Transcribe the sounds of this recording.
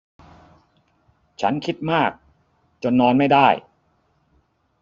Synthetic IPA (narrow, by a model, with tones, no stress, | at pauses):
t͡ɕʰa̰˦˥nkʰi˦˥t̪̚maː˥˩k̚ | t͡ɕo˧nːɔː˧nma˥˩jdaː˥˩j